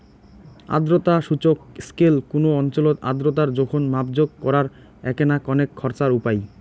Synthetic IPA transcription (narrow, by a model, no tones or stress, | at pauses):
a̰d̪ɾot̪aʃut͡ɕokskelkonoɔnt͡ɕolot̪a̰d̪ɾot̪̬aɾd͡ʑɔkʰonmapd͡ʑoɡ̚kɔɾaɾ | ɛ̰kenakɔnekʰːɔɾt͡ɕaɾupaj